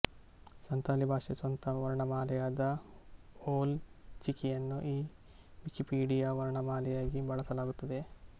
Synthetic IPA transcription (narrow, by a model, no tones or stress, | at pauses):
sɐnt̪aːlibʱaːʂiɐsʋɐnt̪ʰɐʋɐɾɐɳɐmaːlɛjaːd̪ɐ | oːlt͡ʃikijɐnːuʔiː | ʋikipiːɖijaːʋɐɾɐɳɐmaːlɛjaːɡibɐɭɐsɐlaːɡut̪ːɐd̪e̞